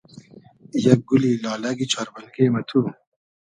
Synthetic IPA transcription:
jɐk̚ɡulilɑːlɐɡit͡ɕʰɑɾbɐlɡemɐt̪ʰu

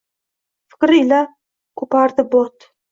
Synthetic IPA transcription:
fɪ̥kʲɾɪjla | kʰʊpaɾd̪ɪbot̪

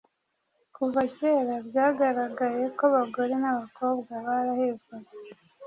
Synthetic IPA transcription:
kuvaceːɾabɟaːɡaɾaɡaje̞koβaɡo̞ɾe̞naβako̞ːbɡaβaɾahezɡaɾe

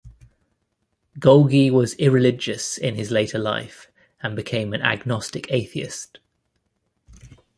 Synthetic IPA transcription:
ɡ̥ʌʊlˠɡiwɒzɪɹɪlɪd͡ʒəsɪ̃nɪzleɪtʰəla̰ɪf | ə̃nbɪkʰẽɪ̃mə̃na̰ɡnɒstɪkʰeɪθiɪ̰st

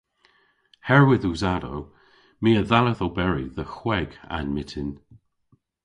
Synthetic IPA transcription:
hɛɹwɪðuzado̰w | miːəðaləðobɛɹiðəxwɛɡa̰nmɪtʰɪn

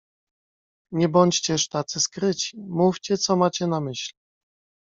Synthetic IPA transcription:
ɲɛbɔɲt͡ɕt͡ɕɛʂt̪at̪sɘskɾɘt͡ɕi̥muft͡ɕɛt̪sɔmat͡ɕɛnamɘɕli

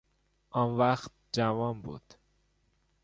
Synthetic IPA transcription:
ʔɒnvæxt̪̚d͡ʒævɒːnbṵːd̪̥

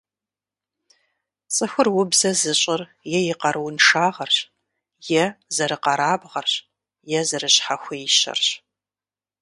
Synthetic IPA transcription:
t͡sʼɨxʷʊrwʊbzɐzɨɕʼɪr | jɛjɪqɐɾʔɨwʊnʂaːʁɐrɕ | jɛzɐɾɨqɐɾaːbʁɐrɕ | jɛzɐrɨɕħaxʷeːjʃɐ̰rɕ

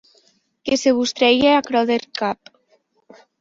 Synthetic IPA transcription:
keseβust̪ɾɛjeakɾɔðeɾkap

